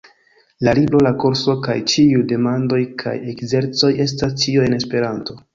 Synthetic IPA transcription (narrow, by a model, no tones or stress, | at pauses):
lalibɾo̞lakoɾso̞ka̰jt͡ʃiude̞mando̞jkʰa̰je̞kze̞ɾt͡so̞je̞s̬tast͡ʃioe̞ne̞spe̞ɾanto̞